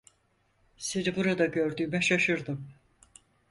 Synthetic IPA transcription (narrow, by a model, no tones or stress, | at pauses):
se̞nibuɾad̪aɟø̞ɾd̪yːmɛʃaʃɯɾd̪ɯm